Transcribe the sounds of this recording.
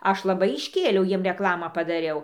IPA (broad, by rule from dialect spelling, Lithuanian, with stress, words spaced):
ˈɐʃ lˠɐˈbɐɪ ɪʃʲˈkʲeːlʲɛʊ ˈjiɛm rʲɛˈklˠɑːmɑː pɐdɐˈrʲɛʊ